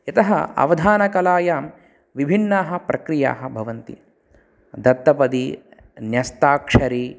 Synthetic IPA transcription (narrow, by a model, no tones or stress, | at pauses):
jɐt̪ɐɦɐ̰ɐ̰ʋɐd̪ʱaːnɐkɐlaːjaːm | ʋibʱinːaːɦɐ̆pɾɐkɾija̰ːɦɐbʱɐʋɐnt̪ḭ | d̪ɐt̪ːɐpɐd̪i | njɐst̪aːkʂɐɾiː